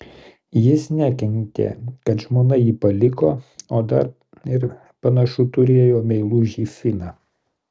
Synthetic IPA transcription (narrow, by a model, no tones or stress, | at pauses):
jɪsnʲækʲɛŋʲt̪ʲḛkɐt̪ʒmoːnɐjiːpɐlʲɪkoːoːd̪ɐɾ | ɪɾ | pɐnɐʃʊt̪ʊɾʲeːjoːmʲɛɪlˠuːʒʲiːfʲɪnɑː